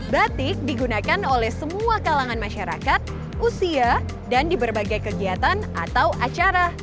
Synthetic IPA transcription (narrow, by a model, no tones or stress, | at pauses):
bat̪ɪk̚diɡunakanolɛhsəmuakalaŋanmaʃaɾa̰kat̪̚ | usia | dandibərbaɡajkəɡiat̪ana̰t̪awʔat͡ʃaɾa